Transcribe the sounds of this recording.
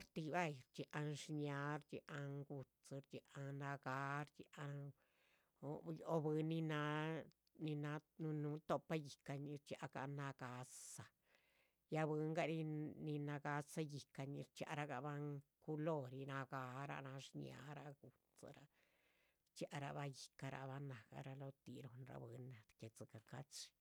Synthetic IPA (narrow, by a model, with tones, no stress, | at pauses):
ɾt̪i˧ba˦˧jɾt͡ʃi˧ʔa˧nʂɲa˨˧˦ɾt͡ʃi˧ʔa˧ŋɡu˧t͡sɾt͡ʃi˧ʔa˧na˧ɡa˧˦ɾt͡ʃi˧ʔa˧ | o˧o˧bɨ˧˦ni˧na˧˦ | ni˧na˧˦nu˧nu˨˦t̪o˧pa˦ji˨ka˧ɲi˧ɾt͡ʃa˧ɡa̰˧na˧ɡa˨˦sa˧ | ja˧bɨ˧˦ŋɡa˧ɾi˧ni˧na˧ɡa˧sa˧ji˨ka˧ɲi˧ɾt͡ʃja̰˧ɾa˧ɡa˧ba˧˦ŋku˦lo˦˨ɾi˧na˧ɡa˨˦ɾa̰˧na˧ʂɲia̰˨˦ɾa˧ɡu˨ | t͡sa̰˧ɾa˨ | t͡ʃja˧ʔɾa̰˧ba˧ji̥˨ka˧ɾa˨ba˦na˨ɡa̰˧ɾa˧lo˧t̪i˧ɾo˨nɾa̰˧bɨ˧˦nːa˨d̪ke˨t͡sɨ˨ka˧ka˦t͡ʃi̥˧